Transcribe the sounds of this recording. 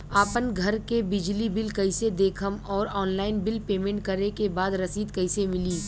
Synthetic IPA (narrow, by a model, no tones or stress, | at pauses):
aːpənɡʱɐɾkebɪd͡ʒlibɪlkɐɪsed̪eːkʰəmɔːɾɔːnlaːɪnbɪlpeːmẽːɳʈ̚kɐɾekebaːd̪ɾɐsiːd̪kɐɪsemɪliː